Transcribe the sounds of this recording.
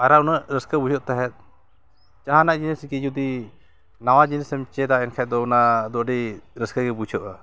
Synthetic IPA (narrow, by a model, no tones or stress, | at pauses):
aɾaunaʔɾəskəbud͡ʒʰɔʔt̪aɦɛt̪̚ | t͡ʃaɦanaʔd͡ʒiniskid͡ʒud̪i | nawad͡ʒinisəmt͡ʃɛd̪aɛnkʰajd̪ɔunad̪ɔʔɖiɾəskaɡɛbut͡ʃʰɔʔa